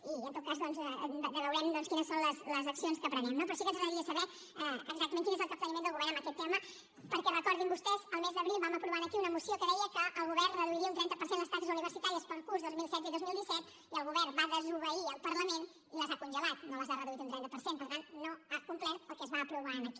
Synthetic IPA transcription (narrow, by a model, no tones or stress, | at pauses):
iənt̪ot̪̚kazðɔnzəβəwɾɛmd̪ɔnskinəsːonləsləzəksionskəpɾəβɛmnopɾɔsikənzɣəəɾiəsəβɛ | ɛəɡzak̚t̪mẽnkinezəlˠk̪əplənimend̪əlɣuβɛɾnəmbəkɛt̪ːɛmə | pəɾkɛrəkɔɾðimbust̪ɛzəlˠmezðəβɾilˠβaməpɾuβanəkiunəmusiokəðɛjəkəʔəlˠɣuβɛrnrəðuiɾiəunt̪ɾɛnt̪əpəɾsenləst̪atəzuniβəɾsit̪aɾiəspəlˠkuɾzðozmilˠsɛt̪id̪ozmilˠd̪isɛt̪ | iəlˠɣuβɛrbaðəzuβəiəlˠpəɾləmen | iləzakunʒəlat̪noləzarəðuit̪unt̪ɾɛnt̪əpəɾsenpəɾt̪anːoakumplɛt̪̚əlˠkɛzβaːpɾuβaənəki̥